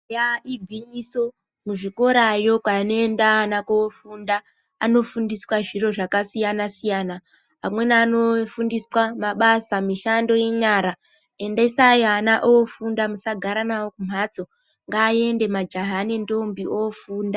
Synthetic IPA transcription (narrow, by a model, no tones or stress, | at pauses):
jaiɡʱwiɲiso̞ | muʐiko̞ɾajo̞kanoendaːnakoofundaː | no̞fundiswaʐiro̞ʐakasijanasijana | ɦamwe̞nano̞fundiswamaɓasamiʃando̞je̞ɲaːɾa | e̞ndeisajoanaʔofundamusaɡʱaɾanawokum̤at͡so̞ | ŋɡaːje̞nde̞mad͡ʒaɦanendombiʔofuːnda